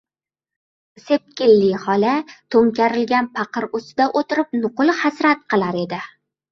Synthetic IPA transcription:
se̞p̚kʲɪlːɪhɒlat̪ʰoŋkʲaɾɪlɡʲanpʰɑqɨɾʊsɪd̪aʔot̪ɪɾɪp̚nʊqʊlˠhasɾat̪̚qɨlˠaɾe̞d̪ɪ

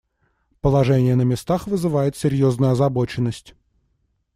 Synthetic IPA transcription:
pəlˠɐʐɛnʲɪjənəmʲɪst̪axvɨzɨvajɪt̪sʲɪɾʲjoznʊjʊɐzɐbo̞t͡ɕɪnːəsʲtʲ

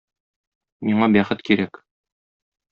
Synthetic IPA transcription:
miɴɑbæχɘt̪kiɾæk

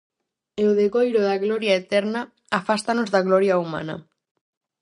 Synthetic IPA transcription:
eoðeɣojɾoðaɣlɔɾjaet̪ɛɾna | afast̪anozðaɣlɔɾjauma̰nɐ̰

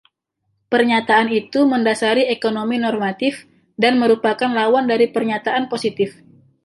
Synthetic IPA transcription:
pərɲat̪aːnit̪uməndasaɾiekonominɔrmat̪ɪf | danməɾupakanlawandaɾipərɲat̪aʔanposit̪ɪf

